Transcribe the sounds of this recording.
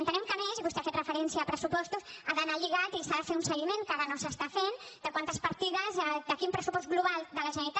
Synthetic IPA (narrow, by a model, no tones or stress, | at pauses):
ənt̪ənɛmkəmezβust̪eafet̪rəfəɾɛnsjəːpɾəsupɔst̪usaðənaʎiɣat̪isaðəfeunsəɣimeŋkaðənosəst̪afend̪əkwant̪əspəɾt̪iðəzd̪əkimpɾəsupɔst̪̚ɣluβalˠd̪ələʒənəɾit̪a